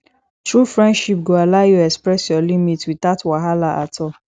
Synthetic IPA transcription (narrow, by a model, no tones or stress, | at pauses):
tɹufɹɛ̃ndʃip̚ɡoalaɪjuɛkspɹɛsjɔlimitwitatwaɦalaʔatʰɔ